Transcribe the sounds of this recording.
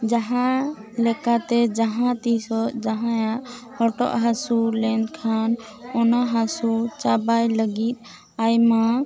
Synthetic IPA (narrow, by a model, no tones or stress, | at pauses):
d͡ʒaɦãlɛkat̪ɛd͡ʒaɦãt̪isɔd͡ʒaɦãjaʔ | hɔʈɔ̰ʔɦasulɛnd̪kʰan | ɔnaɦasut͡ʃabajləɡit̪̚ˀ | ajma